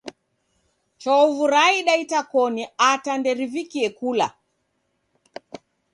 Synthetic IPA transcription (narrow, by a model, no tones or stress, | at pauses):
t͡ʃɔvuɾaiɗaitakɔniatandɛɾivikiɛkula̰